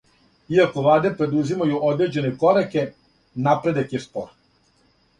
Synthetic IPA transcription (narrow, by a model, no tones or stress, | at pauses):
iako̞ʋlˠaːd̪e̞pɾe̞d̪uzimajuʔo̞d̪ɾe̞d͡ʑe̞ne̞ko̞ɾake̞ | napɾe̞d̪akjespo̰ɾ